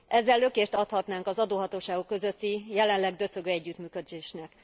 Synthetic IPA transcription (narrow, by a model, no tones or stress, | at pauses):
ʔɛzːɛlːøkeːʃt̪ɒt̪hɒt̪naːŋkɒzɒd̪oːɦɒt̪oːʃaːɡokːø̞zøt̪ːijɛlɛnlɛɡd̪øt̪søɡøːɛɟːyt̪myːkød̪eːʃnɛk